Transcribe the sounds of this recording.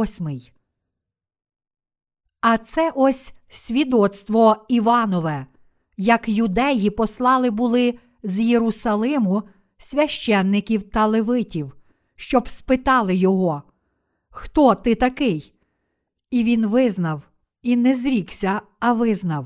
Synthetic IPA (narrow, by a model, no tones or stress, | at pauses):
sʲmɪj | ɐt̪sɛʔɔsʲsʲʋʲid̪ɔt̪st̪ʋɔiʋɑnɔʋɛ | jɐkjʊd̪ɛjipɔslˠɑlˠɪbʊlˠɪ | zjeɾʊsɐlˠɪmʊ | sʲʋʲɐʃt͡ʃɛnːɪkʲiwt̪ɐlˠeʋɪtʲiw | ʃt͡ʃɔbspɪt̪ɑlˠɪjɔɦɔ | xt̪ɔt̪ɪt̪ɐkɪj | iʋʲinʋɪznɐw | inɛzɾʲiksʲɐ | ɐʋɪznɐw